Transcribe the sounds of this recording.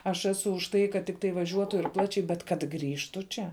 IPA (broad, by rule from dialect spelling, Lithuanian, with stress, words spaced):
ɐʃ ˈæːsʊ ʊʃ ˈtɐɪ kɐt ˈtʲɪktɐɪ ʋɐˈʒʲuɔtʊ ɪr ˈplˠɑːt͡ʃʲɛɪ bʲɛt kɐt ˈɡrʲiːʃtʊ ˈt͡ʃʲɛ